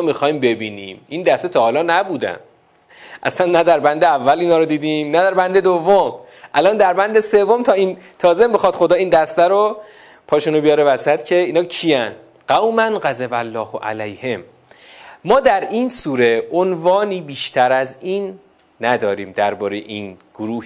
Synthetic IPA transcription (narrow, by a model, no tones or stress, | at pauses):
mixɒːjmbe̞biːnḭːmʔind̪æst̪et̪ʰɒːhɒːlɒːnæbuːd̪æ̰m | ʔæ̰slænːæd̪æɾbænd̪eævːæliːnhɒːɾod̪iːd̪iːmnæd̪æɾbænd̪e̞d̪ovːom | ʔælɒːnd̪æɾbænd̪e̞se̞vːomt̪ʰɒːiːnt̪ʰɒːzembexɒːd̪̥xo̞d̪ɒːiːnd̪æst̪æɾo | pʰɒːʃunobijɒːɾevæsæt̪cʰe̞iːnɒːcʰijæn | ɢæwmænɢæzebælːɒːhʔæ̰læjhe̞mː | ɒːd̪æɾiːnsuːɾe̞onvɒːniːbiːʃt̪ʰæɾæziːnː | æd̪ɒːɾiːmd̪æɾbɒːɾejḛʔiːnɡ̥oɾuː